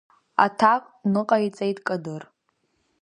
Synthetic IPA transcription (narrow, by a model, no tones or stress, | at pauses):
a̰tʰakʷʼnɨqʼait͡sʼejtʼkʼadɨr